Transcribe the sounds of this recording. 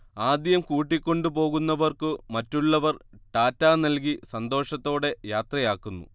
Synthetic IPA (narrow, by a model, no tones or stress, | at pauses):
aːd̪jɐmkuːʈːikʲːo̞ɳɖupo̞ːɣunːɐʋɐrkɨmɐtːuɭːɐʋɐrʈaːtːaːnɐlk̬isɐnd̪o̞ːʂɐt̪ːo̞ːɽe̞jaːt̪rɐjaːkːunːṵ